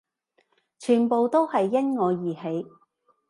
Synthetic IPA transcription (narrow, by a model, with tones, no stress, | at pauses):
t͡ʃʰyː˨˩npo˨wt̪o˥whɐ˨jːɐ˥nŋɔː˨˧jiː˨˩he˨˧j